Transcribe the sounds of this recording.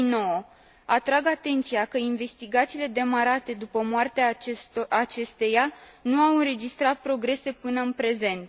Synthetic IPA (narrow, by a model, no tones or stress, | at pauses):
inoo | at̪ɾaɡat̪e̞nt̪sijakəinve̞st̪iɡat̪siːle̞d̪e̞maɾat̪e̞d̪upəmwart̪eaat͡ʃe̞st̪e̞januawɨnɾe̞d͡ʒist̪ɾat̪̚pɾo̞ɡɾe̞se̞pɨnəɨnpɾe̞ze̞nt̪